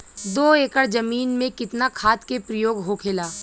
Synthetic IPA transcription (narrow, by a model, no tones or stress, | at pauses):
d̪oːeːkəɽd͡ʒɐmiːnmẽkɪt̪nakʰaːt̪kepɾəjoːɡɦokʰelaː